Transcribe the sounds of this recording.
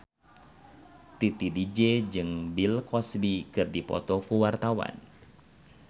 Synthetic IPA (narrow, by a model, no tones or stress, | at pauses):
t̪it̪idid͡ʒɛd͡ʒɨŋbilkɔsbikɨrdipɔ̰t̪ɔkuwart̪awa̰n